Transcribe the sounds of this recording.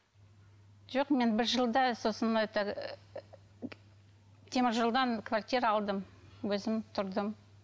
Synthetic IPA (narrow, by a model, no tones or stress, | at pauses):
ʒoqme̞nbɪɾʒəlˠd̪ɑso̞sənd̪ɑjt̪ɑ | t̪ʲʰemɪɾʒəlˠd̪ɑnkʰvart̪ʲijɾəɑlˠd̪əmwɵzɪmt̪ʰʊɾd̪əm